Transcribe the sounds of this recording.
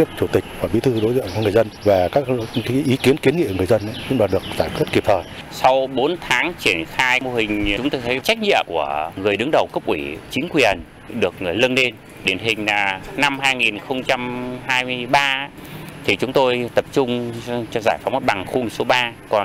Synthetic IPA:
i˦˥ək̚t͡ɕu˧˩t̪ï˨˩k̟̚vaː˨˩ɓḭ˨˦t̪ʰɨ˧ɗo˨˦jzə̰˧˨ɔ˨˦ŋɨ˨˩əjzə˧nvaː˨˩kaː˦˥k̚kaː˨˦ʔi˨˦ki˨˦ənki˨˦ənŋḭ˧˨˩ŋɨ˨˩əjzə˧nʔa˨˦zʊ̰˧˥ŋ͡mɓaː˨˩ɗɨ˨˩ək̚zaː˧˩kwi˦˥t̚ki˨˩p̚t̪ʰəː˨˩jsa˧wɓo˨˦nt̪ʰaː˨˦ŋt͡ɕi˧˩ənxaː˧jmo˧˩hï˨˩ŋ̟ʊ˨˦ŋ͡mt̪o˧jt̪ʰə˨˦jt͡ɕa˦˥k̟̚ɲḭ˧˨əmku˧˩əŋɨ˨˩əjɗɨ˨˦əŋɗə˨˩wkə˦˥k͡p̚ʔwḭ˧˩t͡ɕï˨˦ŋ̟kwi˨˩ən | ɗɨ˨˩ək̚ŋɨ˨˩əjlə˧nle˧n | ɗe˧˩nɦï˨˩ŋ̟aː˨˩na˧mɦaː˧jŋi˨˩nxə˧wŋ͡mt͡ɕa˧mhaː˧jmɨ˧əjɓaː˧˦˥t̪ʰi˨˩t͡ɕʊ˨˦ŋ͡mt̪o˧jt̪ə˨˩p̚t͡ɕʊ˧ŋ͡mt͡ɕɔ˧zaː˧˩jfa˨˦wŋ͡mʔ̚ɓa˨˩ŋxu˧˨˩so˨˦ɓaː˧kɔ˨˩n

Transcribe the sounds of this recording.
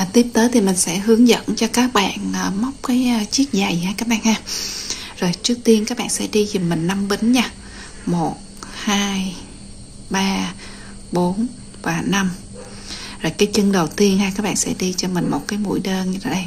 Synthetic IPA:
ʔaː˨˩t̪i˦˥əp̚t̪əː˨˦jt̪ʰi˨˩mï˨˩ŋ̟sɛ̰˧˥ɦɨ˨˦əŋzə̰˧˨nt͡ɕɔ˧kaː˦˥k̚ɓa̰ː˧˨nəː˨˩ma˦˥wk͡p̚kaː˨˦jt͡ɕi˦˥ət̚za˨˩jhaː˧jkaː˦˥k̚ɓa̰ː˧˨nhaː˧ | zo˨˩jt͡ɕɨ˦˥ək̚t̪i˧ənkaː˦˥k̚ɓa̰ː˧˨nsɛ̰˧˥ɗi˧zi˨˩mmːï˨˩ŋ̟na˧mɓi˨˦ŋ̟ɲaː˧ | mo˨˩t̚haː˧j | ɓaː˧ | ɓo˨˦n | vaː˨˩na˧m | zoː˨˩jkaː˨˦jt͡ɕɨ˧ŋɗə˨˩wt̪i˧ənhaː˧kaː˦˥k̚ɓa̰ː˧˨nsɛ̰˧˥ɗi˧t͡ɕɔ˧mï˨˩ŋ̟mo˨˩t̚kaː˨˦jmṵ˧˥jɗəː˧nɲɨ˧ta̰˧˩ɗə˧j

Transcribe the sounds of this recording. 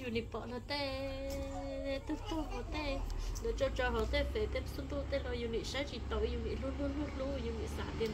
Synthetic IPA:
ju˧ni˧po˨ʔna˧t̪e˦˧ | t̪ɨ˦t̪u˦ho˨t̪e˦lo˨t͡ʃo˦t͡ʃo˧ɦo˨t̪e˦pe˨t̪e˦psu˦nd̪u˦t̪e˦lo˧ju˧ni˨ʃa˦t͡ʃi˧t̪o˨˧ju˧ni˨lu˦lu˦lu˦lu˦ju˧ni˨sa̰˨ʔt̪e˧

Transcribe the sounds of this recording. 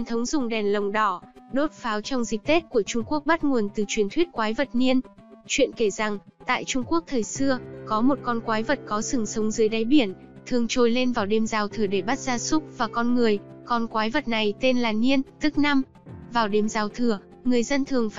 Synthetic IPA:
nt̪ʰə˨˦wŋ͡mzʊ˨˩ŋ͡mɗɛ˨˩nlə˨˩wŋ͡mɗɔ˧˩ | ɗo˦˥t̚faː˨˦wt͡ɕɔ˧wŋ͡mzï˨˩k̚t̪e˦˥t̚ku˧˩ət͡ɕʊ˧ŋ͡mku˦˥ək̚ɓa˦˥t̚ŋu˨˩ənt̪ɨ˨˩t͡ɕwi˨˩ənt̪ʰwi˦˥t̚kwaː˨˦jvə˨˩t̚ni˧ən | t͡ɕwḭ˧˨ənke˧˩za˨˩ŋt̪a̰ː˧˨jt͡ɕʊ˧ŋ͡mku˦˥ək̚t̪ʰəː˨˩jsɨ˧əkɔ˨˦mo˨˩t̚kɔ˧nkwaː˨˦jvə˨˩t̚kɔ˨˦sɨ˧˩ŋsə˨˦wŋ͡mzɨ˨˦jɗa˨˦jɓi˧˩ən | t̪ʰɨ˨˩əŋt͡ɕo˨˩jle˧nvaː˨˩wɗe˧˩mzaː˨˩wt̪ʰɨ˨˩əɗe˧˩ɓa˦˥t̚zaː˧sʊ˦˥k͡p̚vaː˨˩kɔ˧nŋɨ˨˩əjkɔ˧nkwaː˨˦jvə˨˩t̚na˨˩jt̪e˧nlaː˨˩ni˧ənt̪ɨ˦˥k̚na˧m | vaː˨˩wɗe˧˩mzaː˨˩wt̪ʰɨ˨˩ə | ŋɨ˨˩əjzə˧nt̪ʰɨ˨˩əŋf

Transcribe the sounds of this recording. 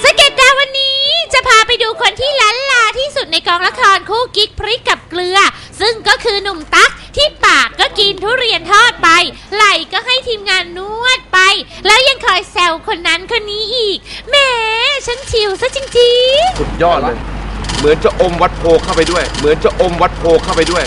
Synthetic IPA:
sa˦˥ke˨˩t̪̚daː˧wa˧nːiː˦˥t͡ɕa˨˩pʰaː˧pa˧jduː˧kʰo˧nt̪ʰiː˥˩la˦˥nlaː˧t̪ʰiː˥˩su˨˩t̪̚na˧jkɔː˧ŋla˦˥kʰɔː˧nkʰuː˥˩ki˦˥k̚pʰɾi˦˥kːa˨˩p̚klɯ˧ɐ | sɯ˥˩ŋkɔː˥˩kʰɯː˧nu˨˩mt̪a˦˥k̚t̪ʰiː˥˩paː˨˩kːɔː˥˩ki˧nt̪ʰu˦˥˩ɾi˧ənt̪ʰɔː˥˩t̪̚pa˧j | la˨˩jkɔː˥˩ɦa˥˩jt̪ʰiː˧mŋaː˧nːu˥˩ət̪̚pa˧jlɛː˦˥wja˧ŋkʰɔː˨˩jsɛ˧˩wkʰo˧nːa˦˥nkʰo˧nːiː˦˥ʔiː˨˩k̚mɛː˧˥t͡ɕʰa˦˥nt͡ɕʰi˨˩wsa˧˥t͡ɕi˧ŋt͡ɕi˧ŋŋsu˨˩t̪̚jɔː˥˩t̪̚lɤː˧jmɯ˩˦nt͡ɕa˨˩ʔo˧mwa˦˥t̪̚pʰoː˧kʰa˥˩wpa˧jdu˥˩əjmɯ˩˦nt͡ɕa˨˩ʔo˧mwa˦˥t̪̚pʰoː˧kʰa˥˩wpa˧jdu˥˩əj

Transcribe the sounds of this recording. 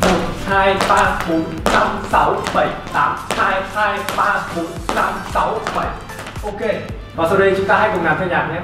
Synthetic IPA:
mo˨˩t̚haː˧jɓaː˧ɓo˨˦nna˧msa˨˦wɓə˧˩jt̪aː˨˦mhaː˧jhaː˧jɓaː˧ɓo˨˦nt̪a̰ː˨˦msa˨˦wɓə˧˩j | ʔo˧ke˧ | vaː˨˩sa˧wɗə˧jt͡ɕʊ˨˦ŋ͡mt̪aː˧ɦaː˧jkʊ˨˩ŋaː˨˩mt̪ʰa˧˩ɲa̰ː˨˩ɲɛ˧˦

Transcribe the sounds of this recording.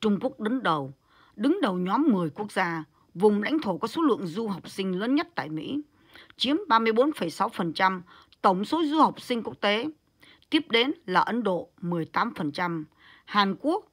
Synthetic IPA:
t͡ɕʊ˧ŋ͡mku˦˥ək̚ɗə˨˦ŋɗə˨˩w | ɗɨ˨˦ŋɗə˨˩wɲɔ˨˦mːɨ˨˩əjku˦˥ək̚zaː˧ | vʊ˨˩ŋ͡mla̰˧˥jŋ̟t̪ʰo˧˩kɔ˨˦so˨˦lɨ̰˧˨əŋzu˧ɦa˨˩wk͡p̚sï˧ŋ̟ləː˨˦nɲə˦˥t̚t̪a̰ː˧˨jmḭ˧˥ | t͡ɕi˨˦əmɓaː˧mɨ˧əjɓo˨˦nfə˨˩jsa˨˦wfə˨˩nt͡ɕa˧m | t̪ə˧˩wŋ͡mso˨˦zu˧ha˨˩wk͡p̚sï˧ŋ̟ku˦˥ək̚t̪e˨˦ | t̪i˦˥əp̚ɗe˨˦nlaː˨˩ʔə˨˦nɗo̰˧˨mɨ˨˩əjt̪aː˨˦mfə˨˩nt͡ɕa˧m | haː˨˩nku˦˥ək̚

